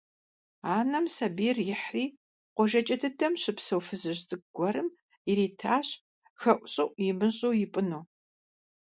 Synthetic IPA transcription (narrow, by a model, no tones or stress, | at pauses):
aːnɐmsɐbiːrjɪħriː | qʷɔʒɐt͡ʃʼɐtʰɨtʰɐmɕɪpsɐwfɨzɨʑt͡sʼɨɡ̚ɡʷɔɾɨm | jɪɾiːtʰaːɕ | xɐʔʷʼɕʼɪʔʷʼjɪmɨɕʼowjɪpʼɨnoː